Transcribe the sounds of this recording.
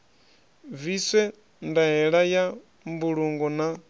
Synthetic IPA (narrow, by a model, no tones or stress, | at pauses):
visɛ | ndaɦɛɺaja | mbuɺuŋɡɔna